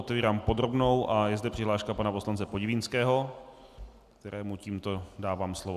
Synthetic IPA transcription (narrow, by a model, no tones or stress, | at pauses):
ot̪ɛviːɾaːmpo̞d̪ɾo̞bno̞wʔajɛzdɛpr̥ɪɦlaːʃkapanapo̞slant͡sɛpoɟɪvɪnskɛːɦo̞ | kt̪ɛɾʔɛːmuciːmt̪o̞daːvaːmslovo